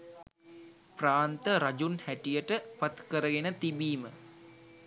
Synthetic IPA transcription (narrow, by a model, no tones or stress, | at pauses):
praːnt̪əɾad͡ʒunhæʈijəʈəpat̪kəɾəɡenət̪ibiːmə